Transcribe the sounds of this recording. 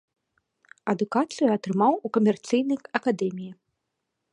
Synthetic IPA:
ɐd̪ukat̪sɨjuɐt̪ɾɨmawukɐmʲɛrt̪sɨjnɐjɐkad̪ɛmʲiji

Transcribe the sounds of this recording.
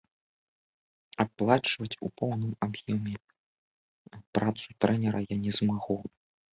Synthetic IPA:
aplˠat͡ʂvɐt͡sʲṵpɔwnɨmabjɔmʲɛ | pɾat̪sut̪ɾɛnʲɛɾɐjanʲɛzmaɣɔ

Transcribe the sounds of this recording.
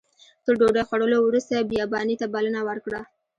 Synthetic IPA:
t̪əɾɖoɖajxwaɽəlowɾust̪abijɑbɑnit̪abalənawəɾkɽa

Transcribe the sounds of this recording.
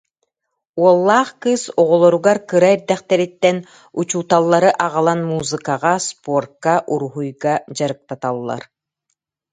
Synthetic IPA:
uɔlˠːaːχkɯsɔʁɔlˠɔɾuɡaɾkɯɾaɛɾd̪ɛχt̪ɛɾit̪ːɛn | ut͡ɕuːt̪alˠːaɾɯʔaʁalˠanmuːzɨkaʁaspuɔrkːaʔuɾuɦujɡad͡ʑaɾɯk̚t̪at̪alˠːa̰ɾ

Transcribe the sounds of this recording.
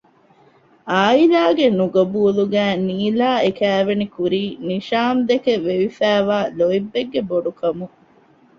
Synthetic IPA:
aːilaːɡenuɡɐbuːluɡæːniːlaːekæːʋenikuɾiːniʃaːmd̪ekeʋeʋifæːʋaːloibːeɡːeboɖukɐmu

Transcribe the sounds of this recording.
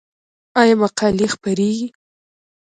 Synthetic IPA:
ɑjamaqɑlixpaɾeɡi

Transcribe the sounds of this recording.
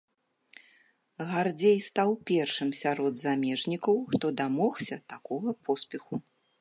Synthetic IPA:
ɣard͡zʲejst̪awpʲɛrʂɨmsʲaɾɔd̪zamʲɛʐnʲikɐwxt̪ɔd̪amɔxsʲɐt̪akɔɣɐpʰɔspʲɛxu

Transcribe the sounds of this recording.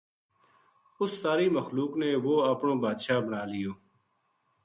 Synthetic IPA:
ʊsːaːɾiːməxluːkneːʋoːəːpɳõːbaːd̪ʃaːbənaːlɪjoː

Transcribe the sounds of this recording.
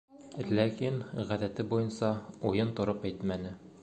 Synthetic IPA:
lækinʁæðæt̪ɘbujɤnsɑujɤnt̪ŏɾɤpæjt̪mænɘ

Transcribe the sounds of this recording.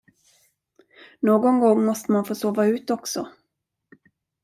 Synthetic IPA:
noːɡɔŋɡɔŋːmɔst̪əmanfoːsoːvaʉ̟ːt̪ɔksɔ

